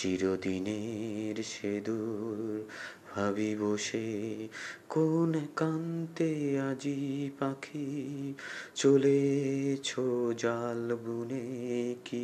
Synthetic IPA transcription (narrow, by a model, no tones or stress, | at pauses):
ʃiɾod̪ineɾʃed̪uɾɾ | bʱabiboʃe | konkant̪ead͡ʑipakʰi | t͡ɕolet͡ɕʰod͡ʑalbuneki